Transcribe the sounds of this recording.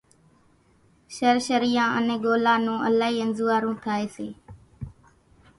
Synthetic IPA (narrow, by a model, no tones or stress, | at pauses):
ʃəɾʃəɾijãːʔə̰nẽːɡoːlãːnũːʔəlaːiːənzuːaːɾũːt̪ʰaːeːseː